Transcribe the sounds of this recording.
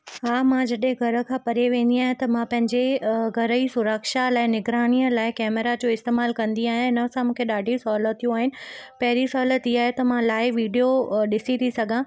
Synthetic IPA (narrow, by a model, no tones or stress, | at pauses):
ɦaːmãd͡ʑɐɗɦẽɡʱɐɾə̆kʰãːpɐɾeʋẽːnd̪iaːɦẽt̪ɐmãpɐ̃ɦɪ̃ɲd͡ʑeɡʱɐɾəisʊɾəkʃalaːɪnɪɡɾaːnijəlaːɪkɛːmeɾad͡ʑoːɪst̪eːmaːlkɐ̃nd̪iaːɦeɪnə̆sãmũːkʰeɗaːɖʱisɔːlətt̪ʰːijũaːɦɪnɪ̆pɐɦɪɾisɔːlət̪iaːɦet̪ɐmãlaːɪʋiːɖijoɗɪsit̪ʰisɐɡʱã